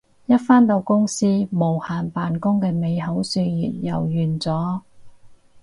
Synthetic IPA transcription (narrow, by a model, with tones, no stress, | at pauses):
jɐ˥t̚faː˥nt̪o˧wkʊ˥ŋsiː˥mo˨˩whaː˨˩npaː˨nkʊ˥ŋkɛː˧me˨˧jɦɐ˨˥wsyː˧jiː˨t̚jɐ̰˨˩wjyː˨˩nt͡sɔː˨˥